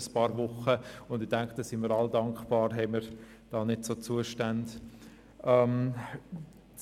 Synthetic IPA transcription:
spɑːɾvʊχəʊndɪdæŋkd̪̥ɑsɪməːɾɑldɑŋkχb̥ɑːɾɦɛɪməɾ | d̥ɑːnɪtsoːt͡suəʃtand | ʔɛm

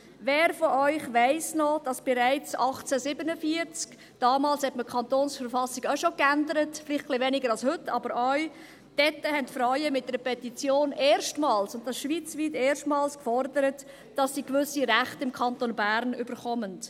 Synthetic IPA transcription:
vɛːɾfɔʔœʏχʋæɪsnɔd̥ɑsb̥ɛɾæɪt͡sɑχt͡sæsɪbənəfiəɾt͡sk | d̥ɑːmɑːlshɛtməkʰɑntoːnsfəɾfɑsɪɡ̥aʃokændəɾətflɪχχlɪvɛnɪɡəɾɑlshʏtːɑ̰bəɾɔʏɥ | d̥ɛtːəhɛntfɾœʏəmɪt̚dɛɾəpʰɛtit͡sjoːneːɾʃtmɑːlsʊnt̚ɑsʃʋiːt͡sviːteːɾʃtmɑːlskfɔɾdəɾət | d̥ɑsːiːkvʏsiɾæχtɪmkʰɑntonbæːɾnʏbəɾχɔmənt

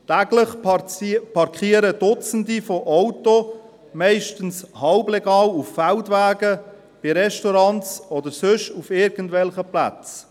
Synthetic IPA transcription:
t̪æɡləχ | pʰɑɾkχiəɾəd̥ʊt͡səndifoʔɔwto | mɛɪʃtən̩shɑlblɛɡɑːluffæltʋæːɡə | b̥ɪɾɛʃtɔɾɑnt͡sɔd̪əɾsʏʃufɪːɾɡən̩tvɛlχəplæ̰t͡s

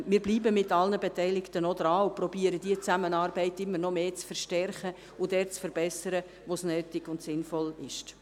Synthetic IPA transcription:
mɪːɾbliːbəmɪtɑlnəbɛtɛɪlɪktənɔd̪ɾɑːʊprɔbiːəɾəd̥iət͡sæmənɑːrbɛɪtɪmːəɾnɔmeːt͡sfəɾʃtɛrχə | ʊdɛːrt͡sfəɾbɛsəɾə | ʋosnøːtɪɡ̥ʊntsɪnfɔlɪʃt

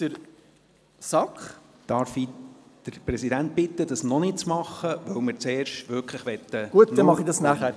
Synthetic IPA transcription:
dəɾ | sɑkχd̥ɑːɾfid̪̥əɾpɾɛsidænt̚bɪt̪ːəd̥ɑsnɔnɪt̚t͡smɑχːəʋœwmɪɾt͡sɛːrʃtʋʏɾkʰləχʋɛt̪ːəɡuətd̪ɛmɑχidɑsnæχæɾ

